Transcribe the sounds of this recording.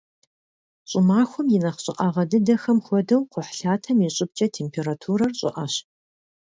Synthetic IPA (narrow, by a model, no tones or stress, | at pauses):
ɕʼʊmaːxʷɔmjɪnɐχɕʼɪ̰ʔɐʁɐdɨdɐxɐmxʷɔdɐwqʷʊħɬaːtʰɐmiɕʼɪb̚t͡ʃʼɐtʰeːmpʰeːɾatʰuːɾɐrɕʼɪ̰ʔɐɕ